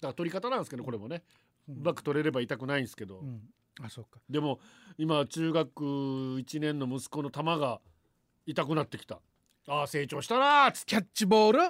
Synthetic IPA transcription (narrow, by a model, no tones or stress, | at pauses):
d̪akat̪o̞ɾʲikat̪anãñsɨked̪oko̞ɾe̞mo̞ne̞ | ɯbakɯ̟̥t̪o̞ɾe̞ɾe̞bait̪akɯ̟naĩnsɨ̥ke̞d̪o̞ | asokːḁd̪e̞mo̞imat͡ɕɨːɡakɯ̟it͡ɕinẽ̞nːo̞mɯ̟sɨ̥ko̞no̞t̪amaɡa | it̪akɯ̟nat̪ːe̞kʲi̥t̪a̰ | aːse̞ːt͡ɕo̞ːɕi̥t̪anakʲat͡ɕːibo̞ːɾɯ̟